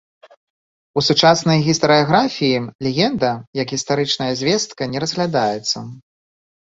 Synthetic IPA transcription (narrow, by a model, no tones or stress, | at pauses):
usut͡ʂasnɐjɣʲist̪ɐɾɨaɣɾafʲijilʲɛɣʲɛnd̪ɐjɐkɣʲist̪aɾɨt͡ʂnɐjɐzʲvʲɛst̪kɐnʲɛɾɐzɣlʲad̪ajɛt̪sːɐ